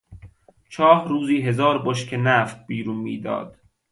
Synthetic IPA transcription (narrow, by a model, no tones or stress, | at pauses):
t͡ʃʰɒːhɾuːziːɦe̞zɒːɾboʃkʰenæːft̪̚biːɾunmḭːd̪ɒ̰ːd̪̥